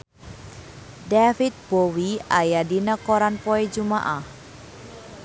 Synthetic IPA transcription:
dafit̪̚b̥owiajadinəkoɾanpɔed͡ʒumaʔah

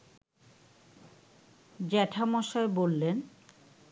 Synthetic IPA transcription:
d͡ʑɛʈʰamɔʃaebolːen

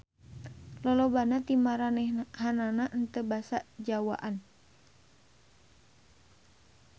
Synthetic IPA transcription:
lɔlɔbanat̪imaɾanɛhananaʔənt̪əbasad͡ʒawa̰ʔan

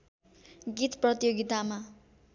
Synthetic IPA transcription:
ɡit̪prʌt̪joɡit̪ama

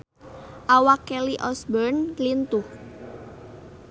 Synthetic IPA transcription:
ʔawakɛliʔɔsbərnlint̪uh

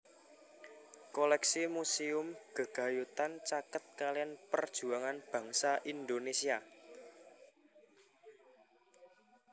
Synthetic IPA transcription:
kolɛksimusiʊmɡ̥ə̤ɡ̥ä̤jut̪ant͡ʃakət̪̚kalianpərd̥ʒ̥ṳaŋanb̥ä̤ŋsaʔind̪onesia

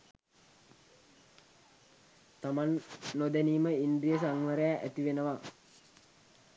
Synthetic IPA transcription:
t̪amanːod̪æniːməind̪ɾijəs̬aŋʋəɾəjaʔæt̪iʋenəʋa

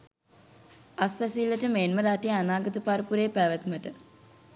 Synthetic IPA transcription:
asʋæsilːəʈəmeːnməɾaʈejanaːɡət̪əpaɾəpuɾeːpæʋət̪məʈə

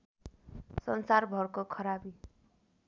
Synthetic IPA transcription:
sʌnsarbʱʌrkokʰʌɾabi

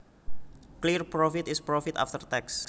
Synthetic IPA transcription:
klirpɾofit̪ɪspɾofit̪a̰ft̪ərt̪ɛks

